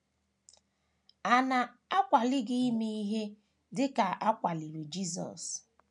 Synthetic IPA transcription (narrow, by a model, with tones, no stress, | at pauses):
a˨na˨a˦kʷa˨lɪ˦ɡɪ˦i˦me˦i˦ɦe˦ | dɪ˦ka˨ʔa˦kʷa˨li˨ɾi˨d͡ʒi˦zɔ̰˨s